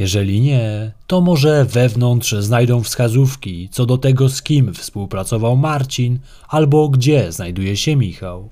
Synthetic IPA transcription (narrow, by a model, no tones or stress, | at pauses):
jɛʐɛlʲiɲɛt̪ɔmɔʐɛvɛvnɔnt̪ʂznajd̪ɔ̃w̃fskazufkʲit̪sɔd̪ɔt̪ɛɡɔskʲimfspuwpɾat̪sɔvawmaɾt͡ɕin | albɔɡd͡ʑɛznajd̪ujɛɕɛmʲixaw